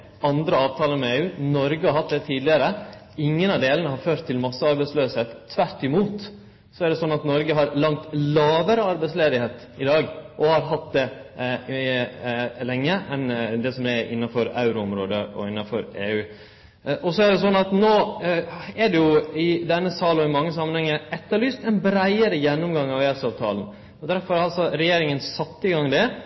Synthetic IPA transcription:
ɑnd̪ɾəɑːʋt̪ʰɑːləmɛeːʉːnɔɾɡəhɑɾɦɑt̪̚d̪ɛt̪ʰiːd̪lɪəɾə | ɪŋːənɑʋd̪eːlənəɦɑɾføːɾt̪ʰːɪlmɑsːəɑɾbæɪsløːsheːt̪ʰːʋæɾʈːɪmuːt̪ | sɔæɾɖ̪ɛsɔnːɑt̪nɔɾɡəɦɑɾlɑŋt̪lɑːʋəɾəɑɾbæɪtsleːd̪ɪheːt̪ | ɪd̪ɑːɡʔɔhɑɾɦɑt̪̚d̪ɛ | lɛŋːəʔɛnd̪ɛsɔmɛʔɪ̰nːɑfɔɾɑ̰ʉɾʊʊmɾoːd̪əɔ̰ɪnːɑfɔɾeːʉː | ʔɔsɔæɖ̪ɛsɔnːɑt̪noː | ɛɖɛjʊɪd̪ɛnːəsɑːlɔɪmɑŋːəsɑmːənhɛŋːəɛt̪ːəɾɭyːst̪ɛnbɾæɪəɾəjɛnːʊmɡɑŋːɑʋeːsɑːʋt̪ʰɑ̰ːln | ɔd̪æɾfɔɾɾɑlsɔɾɛjeːɾɪŋənsɑt̪ːɪɡɑŋd̪ɛ

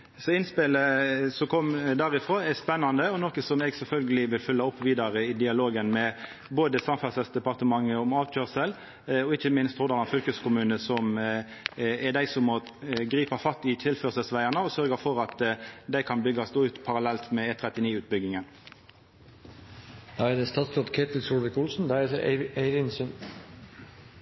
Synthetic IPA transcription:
sɔɪnspɪləsɔkʰɔmd̪æːʁɪfʁoːɛspɛnːɑnd̪əɔnɔkəsɔmeːɡsɛlfœlɡəlɪʋɪlfʏlːɑɔpːʋiːd̪ɑɾəɪd̪ɪɑloːɡənmɛ | boːd̪əsɑmfɑsəsd̪ɛpɑʁt̪əmɑŋːəɔmɑːʋc͡çøʁsəl | ɔɪçəmɪnst̪hɔd̪ɑnɑnfʏlkəskʊmʉːnəsɔm | ɛd̪æɪsɔmːɔ | ɡʁiːpɑfɑt̪ːɪt̪ʰɪlføːʁsəlsʋæɪənəɔsœʁɡəfɔʁɑt̪d̪æɪkʰɑnbʏɡːɑsd̪oːʉːt̪pʰɑʁɑlɛlt̪mɛeːt̪ʰʁɛt̪ɪniːʉːt̪̚bʏɡɪŋən | d̪ɑɛd̪ɛst̪ɑt̪st̪ʰɔt̪kʰet̪lsuʋəkʊlsn̩d̪æeɪʋɪnsən

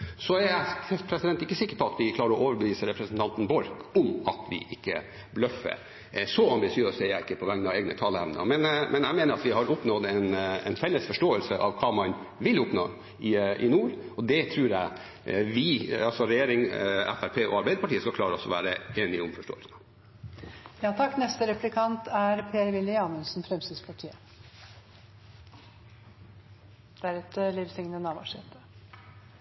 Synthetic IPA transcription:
sɔɛɾæɛspʰɾɛsɪd̪ɛnt̪ɪkːəsɪkːəɾpɔɑt̪ʋɪklɑːɾəɔʔoːʋəɾbəʋiːsəɾɛpɾəsənt̪ɑnt̪nbɔɾkɔmɑ̰t̪ʰʋɪ̰ʔɪkːə̰ | blœfə̰ | sɔɑmbɪsɪøːsɛjæɪɪkːəpʰɔʋɛŋnɑʋeːɡnət̪ʰɑːləæ̰ʋnə̰mɛnmʔɛnæɪmeːnəɾɑt̪ʋɪɦɑɾʊpnɔd̪ɛnɛ̰nfɛlːəsfɔʂʈoːəlsəʔɑʋkʰɑːmɑn | ʋɪlʊpno̰ː | ɪʔɪ̰nuːɾɔd̪ɛt̪ʰɾʉːɾjæ̰ɪ | ʋɪɑlsɔɾɛjeːɾɪŋæ̰fæɾpʰeːɔ̰ɑɾbæɪd̪əpɑʈiːəskɑkʰlɑːɾəɔsːɔʋæ̰ːɾəeːnɪʊmfɔʂʈo̰ːəlsən | jɑːt̪ʰɑkːnɛst̪əɾɛplɪkʰɑnt̪ʰæɾpʰeːɾmɪləjɑːmənsn̩fɾɛmsɪspʰɑʈʰiːə | d̪̥æɾʉɛt̪əliːʋsɪŋnənɑːʋɑ̰ʂeːt̪ə

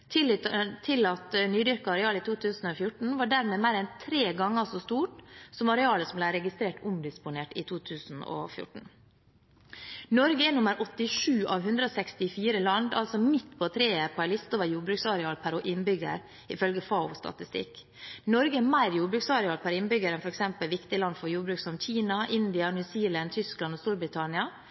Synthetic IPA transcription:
t̪ʰɪlt̪ʰːɪlɑt̪nyːd̪ʏɾkəɑɾɛɑːlɪt̪ʰuːt̪ʰʉːsn̩oːfjʊʈɳ̩ʋɑːɖæɾmeːmæɪɾɛnt̪ʰɾeːɡɑŋːəsost̪uːʈsɔmɑɾɛɑːləsɔmblæɪɾɛɡɪst̪ɾeːʈʊmd̪ɪspʊneːʈɪ̰t̪ʰuːt̪ʰʉːsn̩o̰ːfjʊ̰ʈɳ̩ | nɔɾɡəɛnʊməɾʔɔt̪ːɪʂʉːʔɑːʋɦʉnd̪ɾəoːsɛkst̪ɪfiːɾəlɑnd̪ɑ̰lsɔmɪt̪ːpʰɔt̪ʰɾeːəpʰoɛlɪst̪oːʋəɾjuːɾbɾʉːksɑɾɛɑːlpʰæɾoːʔɪnbʏɡə̰ɾ | ɪfœlɡəfɑʊst̪ɑ̰t̪ɪst̪ɪ̰k | nɔɾɡəɛmæɪɾjuːbɾʉːksɑɾɛɑːlpʰæɾɪnbʏɡəɾɛnfɔɾɛksɛmpəlʋɪkt̪ɪlɑnd̪fɔɾjuːɾbɾʉːksɔmçiːnɑʔɪnd̪ɪɑnjʉːsiːlɑnt̪ʰʏsklɑnɔst̪uːɾbɾɪt̪ʰɑnɪɑ

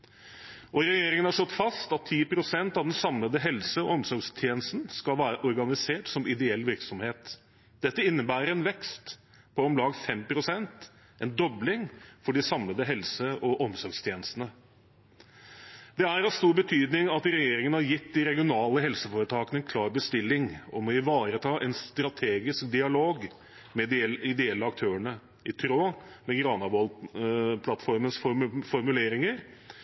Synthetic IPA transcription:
ʔɔɾɛjeːɾɪŋənhɑʂlɔt̪ːfɑst̪ɑt̪ʰːiːpɾʊsɛnt̪ɑʋd̪ɛnsɑmləd̪əɦɛlsəɔɔmsɔɾɡst̪ʰjeːnəst̪n̩skɑlʋæːɾəʔɔɾɡɑnɪseːʈsɔmɪd̪ɛɛlːʋɪɾksɔmheːt̪ | d̪̥ɛt̪ːəɪnːəbæːɾəɾɛnʋɛkst̪ | pʰɔɔmlɑːɡfɛmpʰɾʊsɛnt̪ | ʔɛnd̪ɔblɪŋfɔɖɪsɑmləd̪əɦɛlsəʔɔʔɔmsɔɾɡst̪ʰjeːnəst̪ən̩ə | d̪̥ɛæɾɑʋst̪uːɾbət̪ʰyːd̪nɪŋɑt̪ɾɛjeːɾɪŋənəhæɾjɪt̪ːd̪ɪɾɛɡɪʊnɑːləɦɛlsəfoːɾət̪ʰɑːkənəɛnkʰlɑːɾbəst̪ɪlːɪŋɔmɔɪʋɑːɾət̪ʰɑːʔɛnst̪ɾɑt̪ʰeːɡɪsk̚d̪ɪɑloːɡ | mɛɛɪd̪ɛɛlːəɑkt̪ʰøːəɳə | ɪt̪ʰɾoː | mɛɡɾɑːnɑʋɔlpʰlɑt̪fɔɾmənsfɔfɔɾmʉleːɾɪŋəɾ

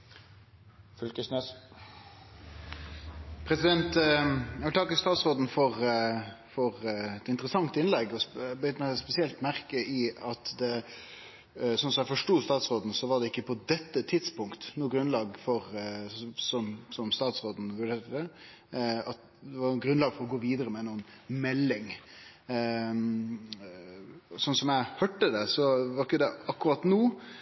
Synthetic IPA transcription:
fʏlkəsnɛs | pʰɾɛsɪd̪ɛnt̪jæʋɪlt̪ʰɑkəst̪ɑːt̪sʁoːd̪n̩fɔʁ | fɔʁɛt̪ɪnt̪əɾəsɑŋt̪ɪnlɛɡɔbʏt̪əmɛspɛsɪɛlt̪mæɾkəɪɑt̪d̪ɛ | sɔnsɔmjæɪfɔʂʈuːst̪ɑːt̪sʁoːd̪n̩sɔʋɑʁd̪ɛɪkːəpʰɔd̪ɛt̪ːət̪ʰɪd̪spʊŋkt̪nuːɡɾʉnlɑːɡfɔɾ | sɔmsɔmst̪ɑːt̪sʁoːd̪n̩ʋʉɖeːɾʈəd̪ɛ | ɑt̪ | d̪ɛʋɑɡɾʉnlɑːɡfɔɾɔɡoːʋiːd̪əɾəmɛnuːənmɛlːɪŋ | sɔnsɔmjæɪhœʈːəd̪ɛsɔʋɑɾɪkːəd̪ɛɑkːʉɾɑt̪nuː

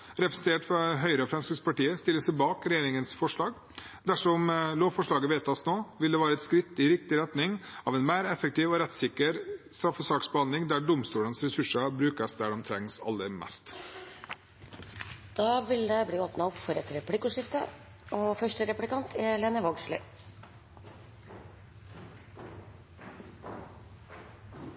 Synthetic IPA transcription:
ɾɛpɾəsɛnt̪ʰeːʈfɑɦœʏɾəɔfɾɛnskəspʰɑʈiːəst̪ɪlːəsɛɪbɑːkɾɛjeːɾɪŋənsfɔʂɭɑːɡ | d̪æʂɔmloːʋfɔʂɭɑːɡəʋeːt̪ʰɑsnoːʋɪld̪ɛʋɑːɾəɛt̪skɾɪt̪ːɪɾɪk̚t̪ɪɾɛt̪nɪŋɑʋɛnmæːɾɛfək̚t̪iːʋɔɾɛt̪ːsɪkːəɾst̪ɾɑfːəsɑːksbəɑnɪŋd̪æɖʊmst̪uːlənsɾɛsʉʂəbɾʉːkəsd̪æɖɔmt̪ʰɾɛŋsɑ̰lːəmɛ̰st̪ | d̪̥ɑːʋɪld̪ɛbliːoːpnɑɔpfɔɾɛt̪ɾɛplɪkʊʂɪft̪ə̰ | oːfœʂʈəɾɛplɪkɑnt̪ʰɛleːnəʋɔɡʂlə̰

